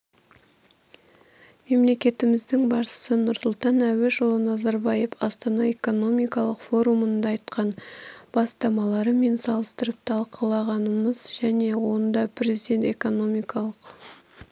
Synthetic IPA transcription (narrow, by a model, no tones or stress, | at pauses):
me̞mle̞kʲe̞t̪ɪmɪzd̪ɪŋbɑɾʃə̥sənʊɾsʊlˠt̪ɑnæwɪʒəlˠənɑzɑɾbɑjefɑst̪ɑnɑe̞ko̞no̞mijkɑlˠəqfo̞ɾumənd̪ɑːjt̪qɑnb̥ɑst̪ɑmɑlˠɑɾəme̞nsɑlˠəst̪əɾəp̚t̪ʰɑlˠqʰəlˠɑʁɑnəməzʒæne̞wo̞nd̪ɑpʰrʲezid̪ʲe̞nt̪e̞ko̞no̞mijkɑlˠəq